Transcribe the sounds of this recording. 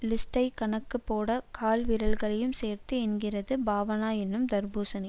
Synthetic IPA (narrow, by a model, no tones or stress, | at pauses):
lɪsʈɐɪkɐɳɐkːɯpːoːɽɐkʰaːlʋɪɾɐlɣɐɭɐjɯmseːrt̪ɯɛnɡɪrɐðɯbaːʋɐnaːɛnːɯmd̪ɐɾbuːsɐnɪ